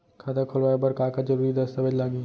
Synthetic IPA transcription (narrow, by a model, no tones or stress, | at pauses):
kʰad̪akʰolʋaːjebɐɾkaːkad͡ʒɐɾuːɾid̪ɐst̪ɐbəd͡ʒlaːŋɡiː